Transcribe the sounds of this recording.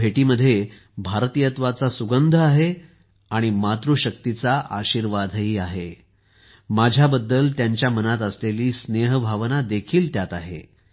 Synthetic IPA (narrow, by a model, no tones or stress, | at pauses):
eʈiːməd̪ʱːje | bʱaɾt̪ijət̪ʋat͡sasuɡənd̪ʱəaɦe | aɽ̃imat̪ɾuɕək̚t̪it͡saʔaɕiːɾʋad̪ʱɦiːaɦe | mad͡ʑʱjabəd̪ːəlt̪jaɲt͡ɕjamənat̪̬əsleliːsneɦbʱaʋnad̪ekʰiːlt̪jat̪aɦḛ